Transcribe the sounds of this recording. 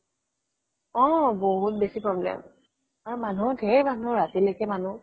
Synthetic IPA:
ɔ̃boɦut̚besipɹɔblɛ̰m | aɹumanudʱeɹmanʊɹatilojkɛmanu

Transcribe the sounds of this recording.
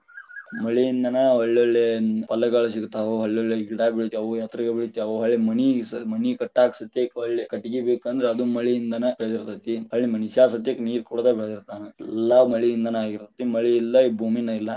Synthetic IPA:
mɐɭiːnd̪ɐnɐɐɭːʋɐɭːepɐlɐɡɐɭʃikt̪aʋoɦɐɭːoɭːeɡiɽabiɭit̪iaʋujat̪ɾɐɡebiɭit̪iaʋoɦɐɭːemɐnismɐnikɐʈːaːksɐt̪jekɐɭːekɐʈiɡibekənd̪ɾeɐd̪umɐɭiːnd̪ɐnɐbeɭed̪iɾt̪ɐt̪ːiɐɭːimɐnisasɐt̪jekniːɾkuɽd̪ɐbeɭed̪iɾt̪anɐɛlːamɐɭiːnd̪anɐaːɡiɾt̪ɐt̪imɐɭiːlːɐibʱuminɐilːa

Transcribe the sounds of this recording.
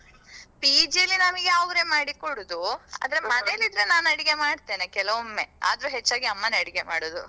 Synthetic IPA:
piːd͡ʒiɐlːinamiɡeɐʋɾemaːɽikoɽud̪ua̰ːd̪ɐɾemɐnelid̪ɾenaːnɐɽiɡe̞maːɖt̪e̞ːnekɛlɐʋomːe̞a̰ːd̪ɐɾuɦet͡ʃːaːɡiɐmːɐnɐɽiɡe̞maːɽoːd̪u

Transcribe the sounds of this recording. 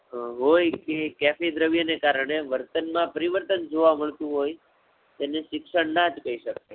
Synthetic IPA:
ɦojkekɛfid̪ɾəʋjənekaɾəɳeʋəɾt̪ənmãpəɾiʋəɾt̪ənd͡ʒoʋãməɭt̪ũɦoj | t̪eneʃɪkʃəɳnad͡ʒkəɦiʃəke

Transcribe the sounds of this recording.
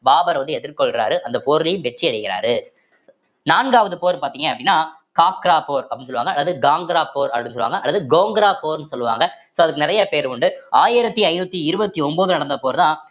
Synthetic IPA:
baːbɐɾʋɐnd̪ɯɛðɪɾkɔɭkɪɾa̰ːɾɯʔɐnd̪ɐpoːɾɪlɛjɯmʋɛʈriɐɽɪkɪɾa̰ːɾɯ | naːnɡaːʋɐðɯpoːɾpaːɾt̪iːŋɡɐɐpːɐɽɪnːaː | kaːkɾaːpoːɾɐpɐɽinsɔlɯʋa̰ːŋɡɐːlːɐðɯɡaːŋɡɾaːpoːɾɐpɐɽɪ̃nːsɔlɯʋa̰ːŋɡɐʔɐlːɐðɯɡoːŋɡɾaːpoːɾnɯsɔlːɯʋa̰ːŋɡɐ | soːɐðɯkːɯnɪɾɐjɐpeːɾʊɳɖɯaːjɪɾɐt̪ːiɐɪnuːt̪ːiɪɾɯbɐt̪ːiɔmboːðɯnɐɽɐnd̪ɐpoːɾt̪ãː

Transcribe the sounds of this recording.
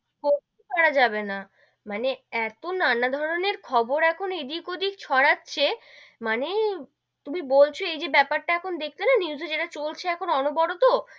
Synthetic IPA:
koikaɽad͡ʑabena | maneɛt̪onanad̪ʱɔɾoneɾkʰɔboɾɛkʰonid̪ikod̪ikt͡ɕʰɔɽatːɕʰe | mane | t̪umibolt͡ɕʰoejd͡ʑebɛpaɾʈaɛkʰond̪ekʰlenaniwzed͡ʑeʈat͡ɕolt͡ɕʰeɛkʰonɔnobɔɽot̪o

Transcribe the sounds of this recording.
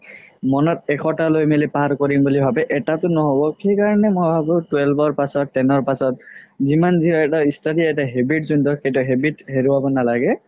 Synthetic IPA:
mɔnɔt̚ɛkʰɔtalojmelipaaɹkoɹimbulibʱabɛʔɛtatʊnɔɦobɔkejkaɹɔnɛmojbʱabʊtuwelbɔɹpasɔtːɛnɔɹpasɔt̚zimanziɦɔɛtaistʰadiɛtaɦebitzundɔkejtʊɦebitɦeɹuabɔnalaɡɛ

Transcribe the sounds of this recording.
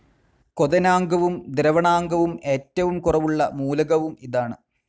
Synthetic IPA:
koðɐnaːŋɡɐʋumd̪ɾɐʋɐɳaːŋɡɐʋume̞ːtːɐʋumkurɐʋuɭːɐmuːlɐɣɐʋumiðaːɳɨ

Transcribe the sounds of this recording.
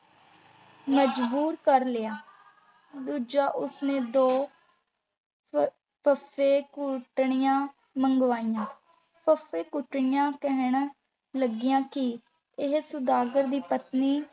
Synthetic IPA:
məd͡ʒbuːɾkəɾlɪjaː | d̪uːd͡ʒaːʔʊsneːd̪oː | pʰəpʰːeːkʊʈɳɪjãː | məŋɡʋaːijãː | pʰəpʰeːkʊʈɳɪjãːkɛɦɳ̃ | ləɡɪjãːkɪ | ɪɦsʊd̪aːɡəɾd̪iːpət̪niː

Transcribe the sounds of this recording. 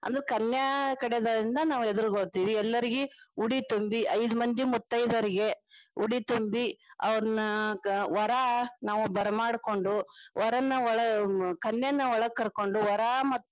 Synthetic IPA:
ɐ̰nd̪ɐɾekɐnjɐkɐɽɛd̪ɐd̪ɾind̪ɐnaːʋued̪uɾuɡoɽt̪iːʋiɛlːɐɾiɡeuɽit̪umbiʔɐjd̪umɐnd͡ʒ̪imut̪ːɐjd̪ɐɾiɡe̞uɽit̪umbiɐ̰ʋɐɾɐnɐʋɐɾanaːʋubɐɾɐmaːɽko̞ɳɖuʋɐɾɐnːɐɔɭɐkɐnjɐnːɐʋɔɭɐɡkːɐɾko̞ɳɖuʋɐɾamɐt̪ː

